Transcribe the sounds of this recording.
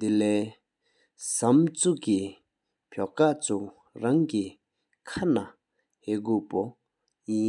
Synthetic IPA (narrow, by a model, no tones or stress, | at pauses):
d̪ilɛː | samt͡suʔki | pʰɔkaʔt͡sʰu | ɹaŋki | kʰana | heʔɡøːpo | ji